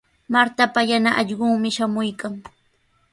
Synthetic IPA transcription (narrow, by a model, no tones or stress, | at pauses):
maɾt̪apajanaʔɑʎɢʊŋmɪʃamʊjkaŋ